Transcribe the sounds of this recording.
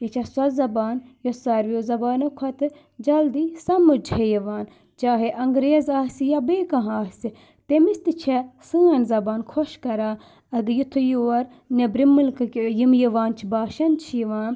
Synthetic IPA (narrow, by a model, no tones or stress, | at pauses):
jɐt͡ʃʰɐswɐzɐbaːnjosɐɾʋoːzɐbaːnɐkʰɐt̪ɨ | d͡ʒɐld̪iːsɐmɨd͡ʒhejiʋaːn | t͡ʃaːɦeʔɐŋɡɾeːzaːsijabeːkɐ̃ɦaːsi | t̪emist̪ɨt͡ʃʰɛsɨːɐnzɐbaːnkʰoʃkɐɾaː | ɐɡjit̪ʰojoːɐɾ | nebɾimɨlkjimjiʋaːnt͡ʃʰibaːʃɐnt͡ʃʰijiʋaːn